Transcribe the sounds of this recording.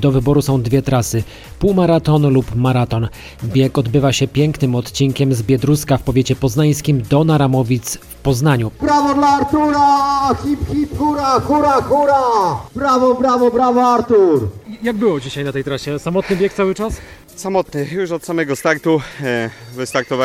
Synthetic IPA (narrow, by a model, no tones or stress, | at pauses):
d̪ɔvɘbɔɾusɔ̃w̃d̪vʲjɛt̪ɾasɘ | puwmaɾat̪ɔnlupmaɾat̪ɔn | bʲjɛkɔd̪bɘvaɕɛpʲjɛŋknɘmɔt̪t͡ɕiŋkʲɛmzbʲjɛd̪ɾuskafpɔvʲjet͡ɕɛpɔznaj̃skʲimd̪ɔnaɾamɔvʲit̪sfpɔznaɲupɾavɔd̪laaaɾt̪uɾaxʲipkʲipkuɾaxuɾaxuɾapɾavɔpɾavɔpɾavɔaɾt̪uɾjaɡ̚bɘwɔd͡ʑiɕajnat̪ɛjt̪ɾaɕɛsamɔt̪nɘbʲjɛkt̪sawɘt͡ʂas | samɔt̪nɘjuʂɔt̪samɛɡɔst̪aɾt̪u | vɘst̪aɾt̪ɔva